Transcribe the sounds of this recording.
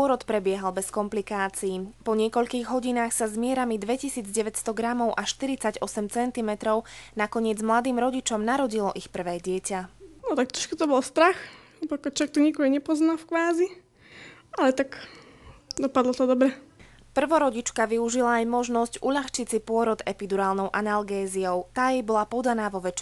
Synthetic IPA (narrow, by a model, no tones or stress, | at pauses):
pɔɾɔt̪pɾɛbɪɛɦalbɛskɔmplikaːt͡siiːpɔɲɪɛkɔʎkiːɣɦɔɟinaːxsazmɪɛɾamid̪ʋɛcisiːd͡zɟɛʋɛcst̪ɔɡɾamɔʊʔaʃt̪iɾit͡saɟɔsɛmt͡sɛnt̪imɛt̪ɾɔʊnakɔɲɪɛd͡zmlad̪iːmɾɔɟit͡ʃɔmnaɾɔɟilɔʔixpr̩ʋɛːɟɪɛcanɔt̪ak̚t̪ɾɔʃkut̪ɔbɔlst̪ɾax | pakɔt͡ʃɔɛk̚t̪ɔɲɛkɔɦɔɲɛpɔznafkʋaːzi | alɛt̪ak | d̪ɔpad̪lɔt̪ɔd̪ɔbɾɛ | pr̩ʋɔɾɔɟit͡ʃkaʋiuʒilaːjmɔʒnɔscuʎaxt͡ʃit͡sipʊɔɾɔd̪ɛpid̪uɾaːlnɔʊʔanalɡɛːziɔʊt̪aːjɛjbɔlapɔd̪anaːʋɔʋɛt͡ʃ